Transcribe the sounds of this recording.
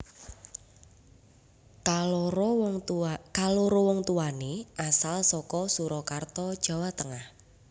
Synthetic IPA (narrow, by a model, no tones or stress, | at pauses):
kaloɾɔwɔŋt̪uwaneʔasalsɔkɔsuɾɔkart̪ɔd̥ʒ̥a̤wat̪əŋah